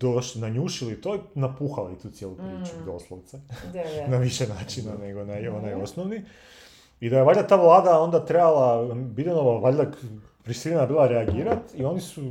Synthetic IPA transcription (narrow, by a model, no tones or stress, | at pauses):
d̪̥oʃlinaɲuːʃilit̪o̞inapuxalit̪uːt̪sjeːlˠupɾiːt͡ʃud̪o̞slˠoʋt̪senaʋiʃenaːt͡ʃinaneɡonajo̞najo̞snoʋni | id̪ajeʋaʎʲd̪at̪aːʋlˠaːd̪ao̞nd̪at̪ɾebalˠabid̪enoʋaʋaʎd̪ak | pɾisilnabiːlˠaɾeaɡiːɾat̪io̞nisu